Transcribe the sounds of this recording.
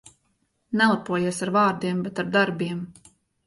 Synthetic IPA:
nɛlˠapuɔjiɛsaɾvaːɾd̪iɛmbɛt̪aɾd̪aɾbiɛm

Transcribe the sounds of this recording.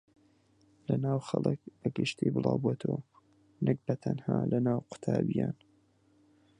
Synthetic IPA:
lɐnaːwxɐlˠɨkəɡɨʃt̪ibɨlɑːwbuat̪ʰow | nɨk̚bɐt̪ʰɐnhaːlɐnaːwqʊ̥t̪ʰaːbijaːn

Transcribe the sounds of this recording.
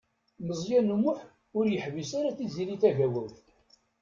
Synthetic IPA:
məzˤjænumʊħ | ʊɾjəħvisaɾaθiziliθæʝæwæwθ

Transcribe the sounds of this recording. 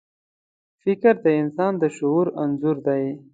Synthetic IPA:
fɪkɾd̪əɪnsɑnd̪əʃʊuɾanzuɾd̪aj

